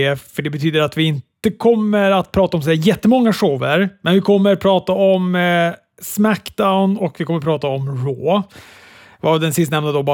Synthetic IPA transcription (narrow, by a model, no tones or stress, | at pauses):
efœɖɛbɛt̪ʰyːd̪əɾat̪vɪɪnt̪əkʰɔmːəɾat̪̚pʰɾɑːt̪aɔmsɔhæːɾjɛt̪ːəmɔŋːaʂoːvəɾmɛnvɪkʰɔmːəɾpʰɾɑːt̪aɔm | smækd̪aʊnɔkvɪkʰɔmːəɾpʰɾɑːt̪aɔmɾoː | vad̪ɛnsɪst̪nɛmnad̪ɔb